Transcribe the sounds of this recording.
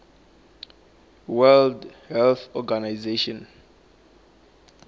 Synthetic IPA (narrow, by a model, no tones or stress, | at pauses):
wɛldhɛlθɔɡanajzeʃɔ̃n